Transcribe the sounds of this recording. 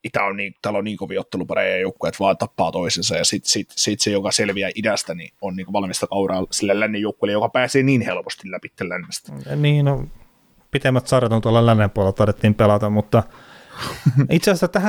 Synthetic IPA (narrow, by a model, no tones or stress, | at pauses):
it̪æonniːŋt̪æːlonniːŋkoʋiot̪ːelupɑɾḛjjɑjoukːujɑt̪ʋɑːnt̪ɑpːɑːt̪oisensɑjɑsit̪sit̪sit̪sejokɑselʋiæʔidæst̪ænḭonniːŋkoʋɑlmist̪ɑkɑuɾɑːlsilːellænːejoukːuilejokɑpæːseːniːnhelpo̥st̪illæpit̪ːellænːest̪æ̥niːno | pit̪emːæt̪sɑrjɑt̪ont̪uolːɑllænːempuolelt̪ɑret̪ːiːmpelɑt̪ɑmmut̪ːɑ | it̪seɑsæt̪æhæ